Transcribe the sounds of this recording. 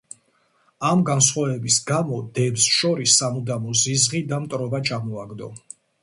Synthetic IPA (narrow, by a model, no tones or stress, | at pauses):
amɡansχwavɛbisɡamɔd̪ɛbsʃɔɾisːamud̪amɔzizʁid̪amt̪ʼɾɔbat͡ʃʰamɔaɡd̪ɔ̰